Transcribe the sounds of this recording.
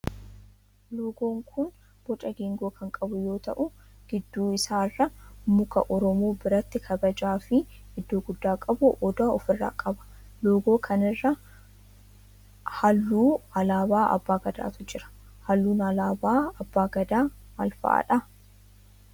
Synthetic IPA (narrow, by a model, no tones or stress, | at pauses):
loːɡo̞ːŋkʰʊn | b̥ɔt͡ʃʼɐɡeːŋɡo̞ːkʰɐŋkʼɐbʊjo̞ːt̪ɐʔʊ | ɡ̥ɪd̪ːuːɪsaːrːɐmʊkɐʔɔɾɔmo̞ːbɪɾɐt̪ːɪkʰɐbɐd͡ʒaːfɪ | ɪd̪ːo̞ːɡʊd̪ːaːkʼɐbʊʔɔd̪aːɔfɪrːa̰ːkʼɐbɐ̥ | lo̞ːɡo̞ːkʰɐnɪrːɐ | hɐlːuːɐlaːbaːɐ̰bːaːɡɐd̪a̰ːt̪ʊd͡ʒɪɾɐ̥ | hɐlːuːnɐlaːbaːɐbːaːɡɐd̪aː | mɐ̰lfɐ̰ʔa̰ᶑɐ